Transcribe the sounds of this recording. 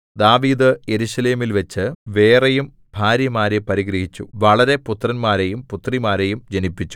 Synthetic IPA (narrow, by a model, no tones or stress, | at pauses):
d̪aːʋiːd̪ɨje̞ɾuɕɐle̞ːmilʋet͡ɕːɨʋe̞ːrejum | bʱaːɾjɐmaːɾepɐɾiɡɾɐɦit͡ɕːuʋɐɭɐɾe̞put̪rɐnmaːɾejumput̪rimaːɾe̞jumd͡ʑenipːit͡ɕːu̥